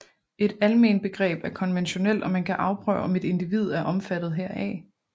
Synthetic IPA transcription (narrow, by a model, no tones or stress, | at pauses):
e̝ɾ̥ælme̝̰ːnd̚b̥e̝ɡ̥ʁɛ̰ːb̥æɐkʰɒ̽nʋenɕo̝nel̰ɒ̽mænkʰæʔɑ̈ʊpʰʁœ̰ʊɒ̽me̝d̥e̝nd̥iʋið̞̰ˠæɐʔɒ̽mfæd̥ð̩ˠɦeɐ̰ɛ̰ː